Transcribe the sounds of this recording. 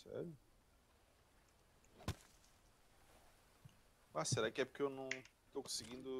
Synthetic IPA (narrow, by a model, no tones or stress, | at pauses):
sɛ̰ɾʊ | maseɾakɪɛpʊɾkeewnɐ̃w̃ | t̪okõsiɡĩnd̪ʊ